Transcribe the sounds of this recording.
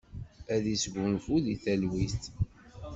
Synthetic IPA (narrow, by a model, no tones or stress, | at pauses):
æðisɡʷunfuðiθælwist̪